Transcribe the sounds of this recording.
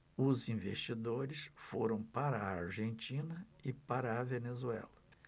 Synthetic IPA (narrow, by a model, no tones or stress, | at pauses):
ʊzĩvest͡ʃid̪oɾɪsfoɾɐ̃w̃paɾɐaɾʒẽnt͡ʃĩnɐɪpaɾɐːvenezuɛ̰lɐ